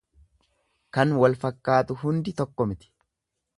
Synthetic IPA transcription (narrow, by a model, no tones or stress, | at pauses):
kɐnwɐlfɐkːaːt̪ʊɦʊnd̪ɪt̪ɔkːɔmɪt̪ɪ̥